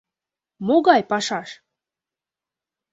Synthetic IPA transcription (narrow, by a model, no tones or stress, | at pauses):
moɣɑjpɑʃɑʃ